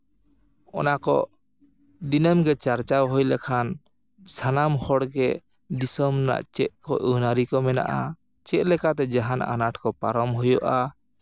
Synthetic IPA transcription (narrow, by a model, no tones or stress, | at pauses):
ɔ̰nakɔʔ | d̪inəmɡɛt͡ʃaɾt͡ʃawɦɔjlɛkʰan | sanamhɔɽɡɛ | d̪isɔmna̰ʔt͡ʃɛʔ̪̚kɔʔənaɾikɔmɛna̰ʔa | t͡ʃɛʔ̚lɛkat̪ɛd͡ʒaɦana̰naʈkɔpa̰ɾɔmɦujɔʔa